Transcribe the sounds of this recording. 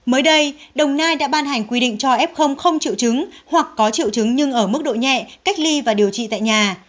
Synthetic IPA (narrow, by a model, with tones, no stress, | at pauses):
məː˨˦jɗə˧jɗə˨˩wŋ͡mnaː˧jɗa̰ː˧˥ɓaː˧nɦa˨˩jŋ̟kwi˧ɗḭ˧˨ŋ̟t͡ɕɔ˧ʔɛ˦˥p̚xə˧wŋ͡mxə˧wŋ͡mt͡ɕḭ˧˨əwt͡ɕɨ˨˦ŋhwa˨˩kːɔ˨˦t͡ɕḭ˧˨əwt͡ɕɨ˨˦ŋɲɨ˧ŋʔəː˧˩mɨ˦˥k̚ɗo̰˧˨ɲɛ̰˧˨ka˦˥jk̟̚li˧vaː˨˩ɗi˨˩əwt͡ɕḭ˧˨t̪a̰ː˧˨jɲaː˨˩